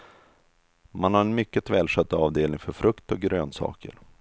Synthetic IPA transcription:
manhaɾɛnmʏkːət̪ʰvɛːlʂɛt̪ːəɑːvd̪eːlnɪŋfœɾfɾɵkt̪ɔɡɾøːnsɑ̰ːkə̰ɾ

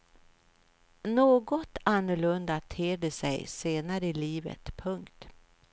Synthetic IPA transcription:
noːɡɔt̪anːʊɭɵnd̪at̪ʰeːɖəsɛjseːnaɾəɪliːvə̰t̪pʰɵŋkt̪

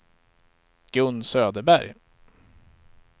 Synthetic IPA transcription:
ɡ̥ɵnːsøːd̪əbæɾj

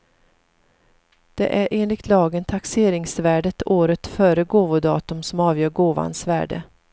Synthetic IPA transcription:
d̪̥ɛ̰ʔæɾʔeːnlɪɡ̚t̪ʰlɑːɡənt̪ʰakseːɾɪŋsvæːɖət̪ʰoːɾət̪fœːɾəɡoːvʊd̪ɑ̰ːt̪ɵmsɔmɑːvjœːɾɡoːva̰nsvæ̰ːɖə̰

